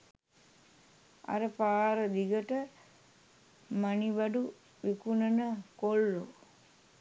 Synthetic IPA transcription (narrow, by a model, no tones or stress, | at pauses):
a̰ɾəpaːɾəd̪iɡəʈə | maniʋaɖu | ʋikunənəkolːo